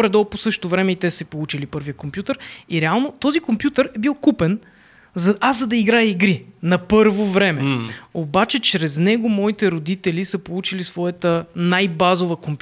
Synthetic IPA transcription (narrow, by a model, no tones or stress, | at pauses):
ɾɛd̪ɔlˠposɤʃt̪t̪ovɾɛmɛit̪ɛssɛpolˠut͡ʃilipɤɾvijəkompjut̪əɾiɾɛalˠnot̪ɔzikompjut̪əɾɛbilˠkupɛn | zɐazzɐd̪ɐiɡɾajɛiɡɾinɐpɤɾvovɾɛmɛobat͡ʃɛt͡ʃɾɛznɛɡomɔit̪ɛɾod̪it̪ɛlisəpolˠut͡ʃilisvɔjət̪ənajbazovəkomp